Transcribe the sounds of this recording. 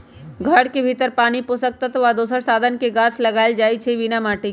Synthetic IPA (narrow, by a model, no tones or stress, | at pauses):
ɡʱɐɽkebʱit̪əɾpaːnipʊsək̚t̪ət̪ʋad̪oːsəɾsaːd̪ʱənkeɡaːslɐɡaːɪld͡ʒaːit͡ʃʰeʋinamaːʈi